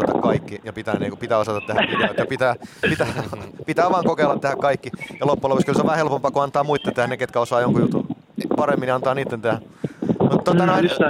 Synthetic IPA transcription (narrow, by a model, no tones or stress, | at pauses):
ɑt̪ɑkkɑikːijɑpit̪æ̰ːnḛːkupit̪æːosɑt̪ɑt̪tehæik̪æʋt̪jɑpit̪æːpit̪æːpit̪æːʋɑːŋkokeːlːɑt̪t̪ehækkɑikːijɑlopːulopekskylseoʋæhelpompɑːkuɑnt̪ɑːmuit̪ːet̪ehæneket̪kæosɑːjoŋkujut̪ṵ | pɑremːinjɑnt̪ɑːniːt̪ːent̪ehæ | mut̪t̪ot̪ɑnoin